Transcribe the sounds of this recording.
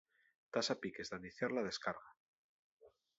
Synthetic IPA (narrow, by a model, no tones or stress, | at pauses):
t̪asapikezðaniθjaɾlaðe̞skaɾɣa